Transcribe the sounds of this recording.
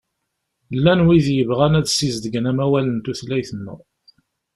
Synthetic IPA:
lːænwiðjəvʁænæðsːizd̪əɡənæmæwælənt̪uθlæjθənːə̰

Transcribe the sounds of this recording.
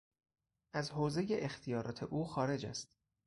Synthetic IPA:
ʔæzhoːze̞je̞ʔext̪ʰijɒːɾʔɒːt̪ʰe̞̰ʔuːxɒːɾe̞d͡ʒæ̰st̪

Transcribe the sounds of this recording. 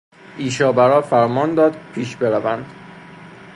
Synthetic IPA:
ʔiːʃɒːbæɾɒːfæɾmɒːnd̪ɒːd̪̚pʰiːʃbe̞ɾævænd̪̥

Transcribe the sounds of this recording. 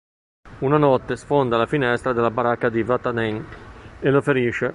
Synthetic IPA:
unanɔt̪ːesfond̪alafinɛst̪ɾad̪elːabaɾakːad̪ivat̪anɛŋelofeɾiːʃe

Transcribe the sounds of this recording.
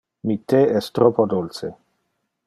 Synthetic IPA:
mit̪eɛst̪ɾopod̪olt͡se

